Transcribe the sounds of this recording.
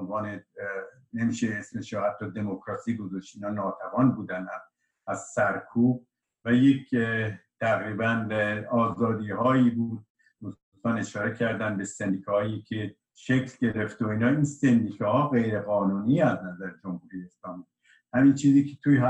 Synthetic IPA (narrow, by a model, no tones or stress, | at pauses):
nvɒːne | nemiːʃeesmeʃɔhæt̪ʰːɒːd̪e̞mokʰɾɒːsiːɡozɔʃt̪inɒːnɒːt̪ʰævɒːnbuːd̪ænæm | æz̥sæɾkʰuːb̚ | væjekʰt̪ʰæɣɾiːbænɒːzɒːd̪iːɦɒːiːbuːd̪̥̚ | uust̪ɒːne̞ʃɒːɾecʰæɾd̪ænbe̞send̪iːkʰːhɒːjikʰe | ʃekʰlɟe̞ɾeft̪oiːnɒːinsend̪iːkʰɛhɒːɣe̞jɾe̞ɣɒːnuːnijeæznæzæɾed͡ʒomhuːɾijeeslɒːmiː | hæmint͡ʃʰiːziːkʰet̪ʰuj